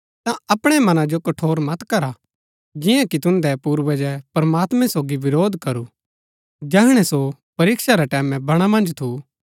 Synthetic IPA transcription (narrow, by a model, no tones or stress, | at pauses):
t̪ãɐpɽ̃ɛmɐnãd͡ʒokɐʈʰoːɾmɐt̪kɐɾa | d͡ʒɪ̃jãkit̪ʊ̃nd̪ɛpuːɾʋɛd͡ʒɛpɐɾɐmaːt̪mɛ̃soːɡiʋɪɾoːd̪ʱkɐɾu | d͡ʒɛɦɽ̃ɛsopɐɾiːkʃaɾɛʈɛːmɛ̃bɐɽ̃amɐ̃nd͡ʒt̪ʰu